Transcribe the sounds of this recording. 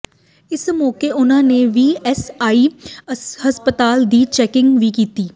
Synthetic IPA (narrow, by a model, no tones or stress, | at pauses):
ɪsmɔːkeʔʊnɦãneʋiːɛsaːi | ɦɐspət̪aːld̪iːt͡ʃɛːkɪ̃ŋɡʋʱikiːt̪iː